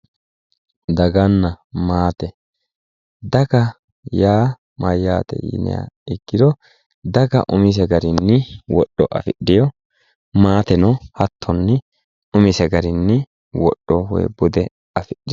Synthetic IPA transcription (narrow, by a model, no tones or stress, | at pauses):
d̪ɐɡɐnːɐmaːt̪ɛ | d̪ɐɡɐ | jaː | mɐjːaːt̪ɛ̰jḭːnɛ̰ja̰ɪɡːɪd̪ɔ | d̪ɐɡɐ̰ʔʊmɪs̬ɛɡɐɾɪnːɪwɔɗːɔʔɐ̰fɪɗɪjɔ | maːt̪ɛnɔhɐt̪ʰːɔnːɪ | ʊmɪsɛɡɐɾɪnːɪ | wɔ̰ɗːɔwɔ̰jbʊd̪ɛ | ɐfɪɗːɪ